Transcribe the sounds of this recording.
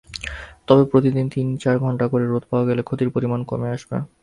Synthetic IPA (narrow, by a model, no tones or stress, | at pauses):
t̪ɔbepɾot̪id̪int̪int͡ɕaɾɡʱɔɳʈakoɾeɾot̪̚paoaɡɛlekʰot̪iɾpoɾimanko̰meaʃbḛ